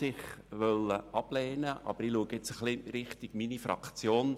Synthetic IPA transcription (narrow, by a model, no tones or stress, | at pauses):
ɪχʋœlːəʔɑb̥lɛːnəʔɑ̰b̥əɾiluəɡəɪt͡səχlɪɾɪχt̪iɡ̥minifɾɑ̰kt͡sjoːn